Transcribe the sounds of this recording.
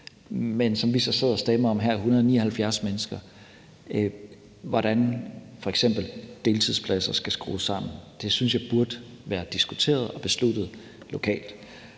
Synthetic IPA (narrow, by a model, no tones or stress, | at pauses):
mensɒ̽mʋisɒ̽se̝ð̰ˠɒsd̥emɐɒ̽mɦæɐ̰ihunɐð̞ˠɒnḭːɐhælfjæɐsmenəsɡ̥ɐ | ʋɒɾ̥ænfɒ̽eɡ̥sem̰b̥l̩d̥e̝ːlt͡sʰiðˠspʰlæsɐsɡ̥æsɡ̥ʁṵːsɑ̈m̰n̩d̥e̝synsjɑ̈ɪb̥uɐd̥ | ʋæːɐd̥isɡ̥u̥t͡sʰe̝̰ːɐð̞ˠɒ̽b̥e̝slud̥ð̩ˠ | lo̝kʰɛ̰ːld̥